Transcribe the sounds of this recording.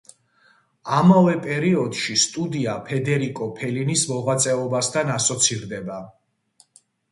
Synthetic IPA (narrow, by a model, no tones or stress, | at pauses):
amavɛpʼɛɾiɔd̪̥ʃist̪ʼud̪iapʰɛd̪ɛɾikʼɔpʰɛlinismɔʁat̪sʼɛɔbast̪ʰanasɔt̪sʰiɾd̪ɛba